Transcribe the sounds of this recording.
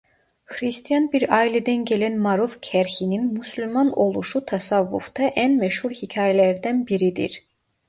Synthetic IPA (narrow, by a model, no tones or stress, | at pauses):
xɾist̪ʰijɑnbiɾɑːilɛd̪ænɟelænmɑɾufcʰæɾçininmysylʲmɑno̞lˠuʃut̪ʰɑsɑvːṵfd̪ɑʔænmæʃhuɾhicʰaːjɛlæɾd̪ænbiɾid̪ḭɾ